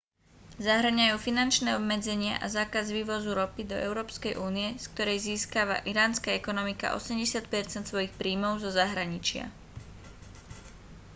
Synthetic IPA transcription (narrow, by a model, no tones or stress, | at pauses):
zaɦɾɲajuːfinant͡ʃnɛɔbmɛd͡zɛɲɪa̰ʔazaːkazʋiːʋɔzuɾɔpid̪ɔ̰ʔɛ̰ʊɾɔːpskɛjʔuːniɛsk̚t̪ɔɾɛjziːskaʋa̰ʔiɾaːnskaɛkɔnɔmika̰ʔɔ̰sɛmɟɛsɪat̪̚pɛɾt͡sɛnt̪sʋɔjixpɾiːmɔʊzɔzaɦɾaɲit͡ʃɪa̰